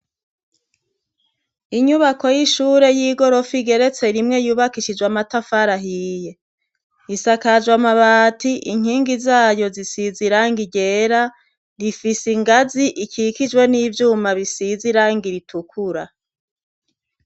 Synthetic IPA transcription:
iɲuβako̞jiʃuːɾe̞jiːɡo̞ɾo̞fiɡe̞ɾe̞t͡se̞ɾimŋe̞juːβakiʃid͡ʒwamatafaɾaɦije̞ | isakad͡ʒwamaβaːtiʔiŋ̥hiːŋɡizaːjo̞zisiziɾaːŋɡiɟe̞ːɾa | ɾifisiŋɡaziʔikʰikid͡ʒwe̞niːvjuːmaβisiziɾaːŋɡiɾitʰukʰuɾa

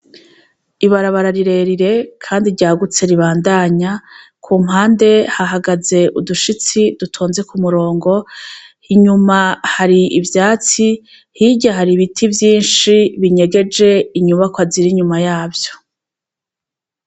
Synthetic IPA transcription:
iβaɾaβaɾaɾiɾe̞ɾiɾe̞kʰaːndiɾɟaːɡut͡se̞ɾiβaːndaːɲa | kʰuːmɦaːnde̞haɦaɡaze̞ʔuduʃit͡sidutʰoːnze̞kumuɾo̞ːŋɡo̞hiɲumahaɾiivjaːt͡si | hiɟaɦaɾiβitʰivjiːnʃiβiɲe̞ɡe̞d͡ʒe̞iɲuβakwaziɾiɲumajaːbjo̞̥

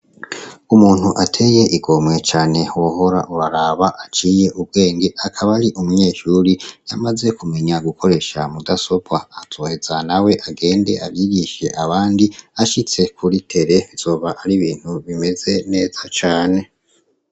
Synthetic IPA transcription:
umuːn̥huʔatʰe̞je̞ʔiɡo̞mwe̞t͡ʃaːne̞woɦo̞ɾa̰ʔuɾaɾaβaʔat͡ʃiːje̞ʔub̚ɡe̞ːŋɡiʔakʰaβaɾiʔumuɲe̞ːʃuɾijamaze̞kume̞ɲaɡukʰo̞ɾe̞ʃamudaso̞bwaːtʰoːhezanawe̞ʔaɡe̞ːnde̞̰ʔaβjiɡiʃe̞ʔaβaːndiaʃit͡se̞kʰuɾitʰe̞ɾe̞z̥o̞ːβaʔaɾiβiːn̥huβime̞ze̞ne̞ːz̥at͡ʃaːne̞

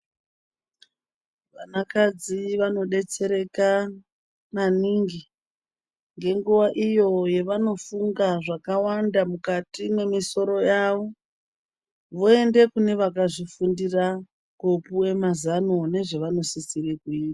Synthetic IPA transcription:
ʋanakad͡ziʋano̞ɗe̞t͡se̞ɾe̞ka | naniŋɡi | ŋɡe̞ŋɡuʋaʔijo̞je̞ʋano̞fuŋɡaʐakawandamukatime̞miso̞ɾo̞jaːʋo̞ | ʋoe̞nde̞kune̞ʋakaʐifundira | kopuwe̞mazanone̞ʐe̞ʋano̞sisirekuiːta

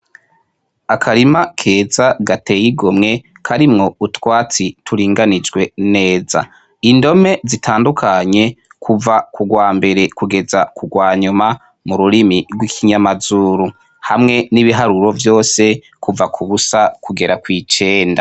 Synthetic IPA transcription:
akʰaɾimakʰe̞ːzaɡate̞jiɡomŋe̞ | kʰaɾimŋo̞utwaːt͡sitʰuɾiːŋɡanid͡ʒɡwe̞ne̞ːza̰ | indo̞me̞zitʰaːndukʰaɲe̞kʰuvakuɡwaːmbe̞ɾe̞kuɡe̞zakʰuɡwaːɲuma | muɾuɾimiɾɡwikʰiɲamazuːɾu | hamŋe̞niβiɦaɾuɾo̞vjo̞ːse̞ | kuvakʰuβusakʰuɡe̞ɾakwit͡ʃe̞ːnda

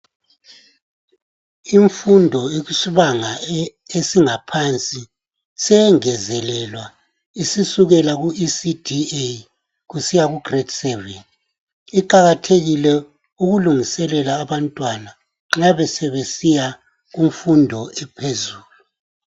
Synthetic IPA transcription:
iɱfundʱɔeɣusiβaŋa | esiŋapʰant͡sʼi | sɛŋɛzɛlɛlwa | isisuɣɛlaɣuʔisidʱie | ɣusijaɣuɡ̥retʰsɛven | iǃaɣatʰeɣilɛ | uɣuluŋisɛlɛlaːβantʼwana | ŋ͡ǁaβɛsɛβesija | ɣuɱfundʱɔɛpʰezuːlu

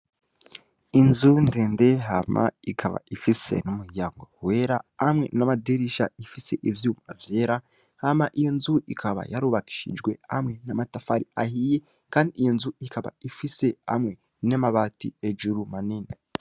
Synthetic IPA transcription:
inzundeːndeɦa̰ma̰ikʰaβa̰ifise̞̰numuhijaːŋɡo̰weːɾaːmŋe̞namadeɾiʃa̰ifise̞ʔivjumavjeːɾa | hamaʔijo̞nzuikʰaβa̰jaɾuːβaki̥ʃḭd͡ʒɡwe̞amŋe̞namatafaɾiahije | kaːndijo̞nzuikaβa̰ifise̞ha̰mŋe̞ | namaβatḭed͡ʒuɾumanini

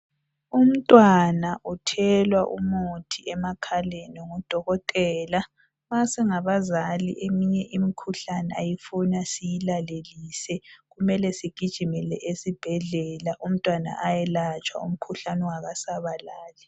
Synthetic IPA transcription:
um̩tʼwanaʔutʰɛlwaʔumotʰiʔɛmakʰalenɔŋud̥ʱɔɣɔtʼɛːla | βasɛŋaβazalḭʔemiɲɛʔimikʰuɬanɛajifunasijilaleliːsɛɣumɛlɛsiɡ̥ʱid̥ʒ̥ʱimɛlɛʔesib̥ʱɛɮɛlaʔum̩tʼwana̰ʔajɛlat͡ʃʼwa̰ṵm̩kʰuɬanɛaɣasaβalaːlɛ

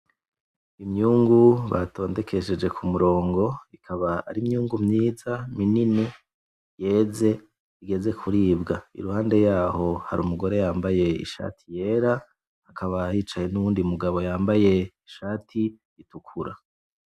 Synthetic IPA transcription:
imɲuːŋɡuβa̰to̞ːnde̞kʰe̞ʃe̞d͡ʒe̞kʰumuɾo̞ːŋɡo̞ikʰaβaa̰ɾimɲuːŋɡumɲiːzaminine | je̞ːze̞ | iɡe̞ze̞kʰuɾiːbɡaḭɾuhaːnde̞jaːho̞ha̰ɾṵmuɡo̞ɾe̞jaːmbaje̞ḭʃa̰ːtʰije̞ːɾaː | kʰaβajiːt͡ʃaje̞nuwuːndiumuɡaβo̞jaːmbaje̞iʃaːtʰi | itukʰuɾa̰

